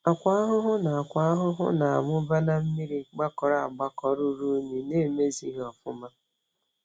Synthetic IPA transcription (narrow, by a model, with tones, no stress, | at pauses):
a˨kʷa˦a˦ɦʊ˦ɦʊ˦na˨a˨kʷa˨˦a˦ɦʊ˦ɦʊ̰˦na˨a˨mʊ˦ba˦na˦m̩˦mi˦ɾi˦ɡ͡ba˦kɔ˨ɾa˨a˨ɡ͡ba˦kɔ˨ɾu˦ɾu˦ɲi˨ne˦˨me˦zi˦ɦɔ˨fʊ̰˦ma˦